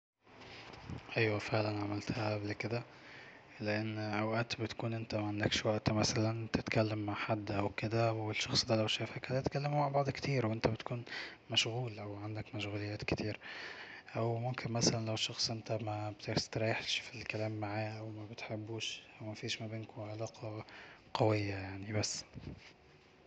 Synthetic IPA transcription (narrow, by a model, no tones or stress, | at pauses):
ʔæjwæfeʕlænʕamɪlt̪hæʔæblkɪd̪æ | lɪʔanːʔawʔæt̪bɪt̪kuːnʔɪnt̪æmæʕand̪ækʃwaʔt̪mæsælænt̪ɪt̪kælːæmːaʕħad̪ːʔæwkɪd̪æwɪʃːɑxsˤd̪ælæwʃæːfhækæd̪æt̪kælːɪmmaʕbɑʕd̪ˤkt̪ʰiːɾwʔɪnt̪æbɪt̪kuːnmæʃɣuːlʔæwʕand̪ækmæʃɣuːlɪjːæːt̪kt̪iːɾ | ʔæwmʊmkʰenmæsælænlæweʃːɑxsˤʔent̪æmæbt̪et̪ɾˤɑjeħʃfilkælæːmːaʕaːʔæwmæbet̪ħebːuːʃʔæwmæfiːʃmæbeːnkoʕalɑːqʰɑqɑwejːajaʕnibæsː